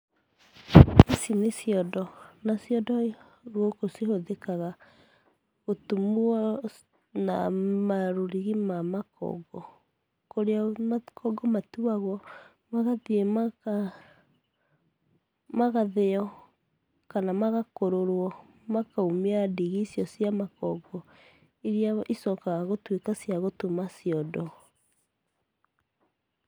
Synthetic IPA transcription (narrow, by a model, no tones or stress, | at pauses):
isinesiɔdɔnasiɔdɔ | ɾwɔkosihoðekaɣa | ɣotumuɔ | na̰maɾoɾiɣimamakɔ̰ɡɔ | koɾeamakʰɔɡɔmatuaɣwɔ | maɣaðiema | maɣaðeɔ | kanamaɣakoɾoɾwɔ | makaumeadiɣiːsiɔsiamakɔɡɔ | iɾiaʔisɔkaɣaɣotwekasjaɣotumasiɔdɔ